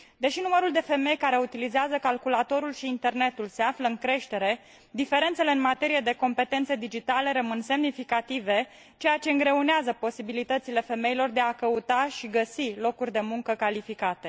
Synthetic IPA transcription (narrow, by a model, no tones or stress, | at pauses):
d̪e̞ʃinuməɾuld̪e̞fe̞me̞jkaɾe̞ut̪ilizeazəkalkulat̪o̞ɾulʃiːnt̪e̞rne̞t̪ulse̞afləɨŋkɾe̞ʃt̪e̞ɾe̞ | d̪ife̞ɾe̞nt̪se̞leɨnmat̪e̞ɾije̞d̪e̞ko̞mpe̞t̪e̞nt̪sed̪id͡ʒit̪ale̞ɾəmɨnse̞mnifikat̪ive̞ | t͡ʃe̞jat͡ʃe̞ɨŋɡɾe̞uneazəpo̞sibilit̪ət̪sile̞fe̞me̞ilo̞rd̪e̞akəut̪aʃiɡəsilo̞kurʲd̪e̞muŋkəkalifikat̪e̞